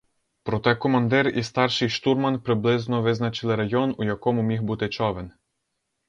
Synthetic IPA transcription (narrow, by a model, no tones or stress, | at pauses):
pɾɔt̪ɛkɔmɐnd̪ɪɾist̪ɑrʃɪjʃt̪urmɐnpɾɪblˠɪznɔʋɪznɐt͡ʃɪlˠɪɾɐjɔnujɐkɔmʊmʲixbut̪ɪt͡ʃɔʋen